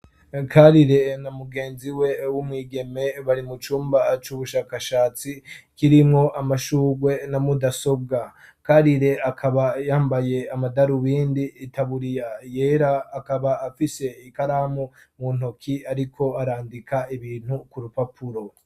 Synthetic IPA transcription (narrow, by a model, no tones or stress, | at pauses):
kʰaɾiɾe̞namuɡe̞ːnziwe̞wumŋiːɡe̞me̞βaɾimut͡ʃuːmbat͡ʃuβuʃaːkaʃaːt͡sikiɾimŋo̞ʔamaʃuːɡwe̞namudaso̞b̚ɡakaɾiɾe̞akʰaβajaːmbaje̞amadaɾuβiːndiːtʰaβuɾijaje̞ːɾaːkaβaːfise̞ikaɾaːmu | mun̥ho̞kʰiaɾikʰo̞aɾaːndikʰaiβiːn̥hukuɾupapʰuɾo̞